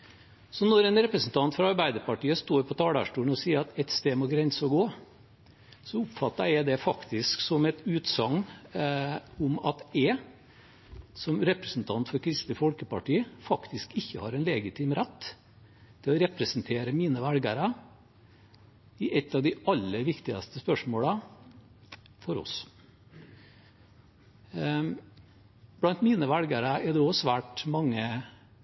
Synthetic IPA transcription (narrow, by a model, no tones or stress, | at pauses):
sɔnɔɾɛnɾɛpɾəsn̩t̪ʰɑnt̪fɾɑɑɾbæɪd̪əɾpɑʈiːəst̪oːɾpʰɔt̪ʰɑːɽæ̰ʂʈuːɳ̩ɔsiːəɾɑt̪ɛt̪st̪eːmɔɡɾɛnsəɔɡoː | sɔʊpfɑt̪ːɑɾɛd̪ɛfɑkt̪ɪsksɔmɛt̪ʉːt̪sɑŋː | ʊmɑt̪ɛ | sɔmɾɛpɾəsn̩t̪ʰɑnt̪fɔɾkʰɾɪst̪ləfɔlkəpɑʈiːfɑkt̪ɪskɪçːəhɑɾɛnlɛːɡɪt̪ʰɪːmɾɛt̪ː | t̪ʰɪlɔɾɛpɾəsnt̪ʰeːɾəmiːnəʋælɡəɾɑ | ɪʔɛt̪ːɑʋd̪ɪɑlːəʋɪkt̪ɪɡɑ̰st̪əspœʂmoːlə | fɔɾɔ̰s | b̥lɑnt̪miːnəʋælɡəɾɑɛd̪ɛɔsʋæːʈmɑŋːə